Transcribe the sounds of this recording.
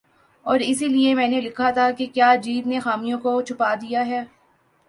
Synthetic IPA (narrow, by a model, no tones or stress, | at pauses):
ɔːɾɪsiliemɛ̃ːnelɪkʰat̪ʰakekjaːd͡ʒiːt̪nexaːmijõkot͡ʃʰʊpad̪ijaɦɛː